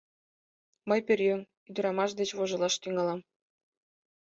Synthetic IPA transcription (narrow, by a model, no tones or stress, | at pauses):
mɤjpʲerʲjøŋ | yd̪ɘ̆ɾɑmɑʃ̬d̪et͡ɕβoʒɤ̆lˠɑʃt̪yŋɑlɑm